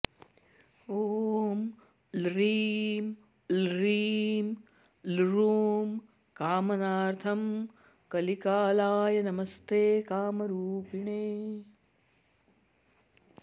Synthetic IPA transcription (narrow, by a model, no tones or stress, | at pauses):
oːm | lɾiːm | lɾiːm | lɾuːm | kaːmɐnaːɾt̪ʰɐm | kɐlikaːlaːjɐnɐmɐst̪eːkaːmɐɾuːpiɳeː